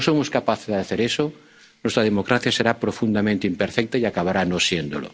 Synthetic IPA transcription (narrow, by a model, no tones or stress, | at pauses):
oso̞moskapaθezðaθe̞ɾeso | nwe̞st̪ɾaðemo̞kɾaθjase̞ɾapɾo̞fund̪amẽnt̪eimpeɾfek̚t̪aiakaβaɾano̞sje̞nd̪o̰lo̰